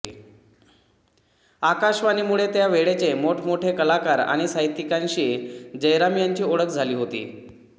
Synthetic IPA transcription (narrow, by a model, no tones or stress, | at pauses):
akaɕʋaniːmuɭet̪jaʋeɭet͡semoʈʰmoʈʰekəlakaɾa̰ɽ̃isaɦit̪ːikanɕiːd͡ʑəjɾamjaɲt͡ɕiːoɭəkd͡zʱaliːɦot̪ḭː